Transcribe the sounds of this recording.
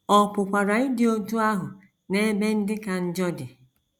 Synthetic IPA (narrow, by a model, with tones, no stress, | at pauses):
ɔ˨pʊ˨kʷa˨ɾa˨ɪ˦dɪ˦o˦tu˦a˦ɦʊ˨ | ne˦be˦n̩˦dɪ˦ka˨n̩˦d͡ʒɔ˦dɪ˨